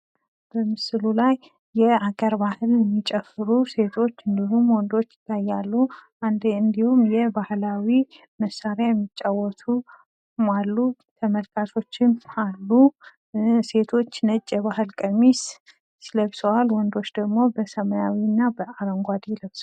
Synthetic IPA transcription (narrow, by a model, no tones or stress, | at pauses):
b̥əmɨsɨlulaj | jɛaɡəɾbahɨljɛmːit͡ʃʼɛfɨɾuse̞t̪ʰo̞t͡ʃːɨnd̪ihumwɔnd̪o̞t͡ʃːlajːalːuʔand̪ɨnd̪ihumjɛbahlawi | məsaɾeajɛmːit͡ʃʼːawɔt̪ʰu | malːu | t̪ʰəməlkʰasʰo̞t͡ʃːɪmalːu | se̞t̪ʰo̞t͡ʃːnət͡ʃʼːɛβaɦɨlkʼəmis | siləβsəwalwɔnd̪o̞t͡ʃːd̪əɡmo̞bəsəməjawinːabəaɾəŋɡʷad̪ləβsw